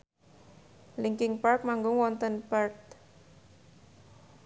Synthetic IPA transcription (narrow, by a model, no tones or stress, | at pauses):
liŋkɪŋpark̚maŋɡʊŋwɔnt̪ənpark